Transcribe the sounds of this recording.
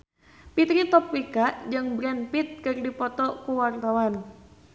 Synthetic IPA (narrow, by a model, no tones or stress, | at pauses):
pit̪ɾit̪ɔp̚wikaʔd͡ʒɨŋbɾɛnpit̪̚kɨrdipɔt̪ɔkuwart̪awan